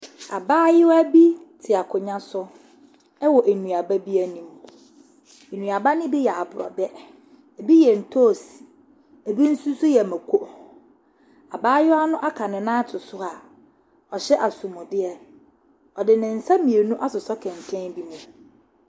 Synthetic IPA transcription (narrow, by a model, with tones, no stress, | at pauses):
a˨baː˦jɪ˦wæ˦bi˦tʰɪ˨a˨kʰʊ˨ɲã˦sʊ˦ | ɛ˦wɔ˨ʔe˨nũ˨a˨ba˦bi˦æ˦nĩ˨m˦˨ | e˨nũ˨a˨ba˦nɪ̃˦bi˦jɛ˨a˨bʊ˨ɾɔ̰˨bɛ˦ | æ˨bi˦jɛ˨n̩˨tʰo˦˨si̥˨ | æ˨bi˦n̩˦su˦sʊ˦jɛ˨mæ˨kʰʷo˦ | a˨baː˦jɪ˦wa˦nʊ̃˦ʔa˦kʰa˨nʊ̃˨nãː˦tʰʊ˨sʊ˦a˨ | ɔ˨ɕɛ˦ʔa˨su˨mʊ̃˨dɪ˦ɛ˨ | ɔ˨dɪ˨nɪ̃˨n̩˨sa˦mĩ˨e˨nũ˦ʔa˦sʊ˨sɔ˦kʰɛ̃˨n˨tʰɛ̃˦n˦bi˦mũ˦